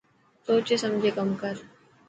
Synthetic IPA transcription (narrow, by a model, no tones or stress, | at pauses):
soːt͡ʃesɐmd͡ʒʱekɐmkəɾ